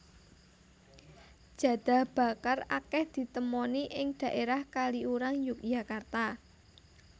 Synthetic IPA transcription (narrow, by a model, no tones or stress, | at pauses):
d̥ʒ̥ä̤d̪̥ä̤hb̥a̤karakɛhd̪̥i̤t̪əmɔniʔɪŋɖ̪̥ä̤ʔeɾahkaliuɾaŋjʊk̚jakart̪a